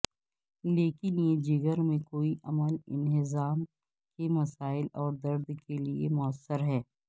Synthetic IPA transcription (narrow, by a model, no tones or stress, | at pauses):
leːkɪnjed͡ʒɪɡəɾmẽkoːiʔɐməlɪ̰nɦɪzaːm | kemɐsaːɪlɔːɾd̪ɐɾd̪keliḛmʊəsːəɾɦɛː